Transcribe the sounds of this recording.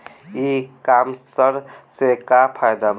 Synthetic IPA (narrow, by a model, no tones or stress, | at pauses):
ikamsəɾsekapʰajd̪ab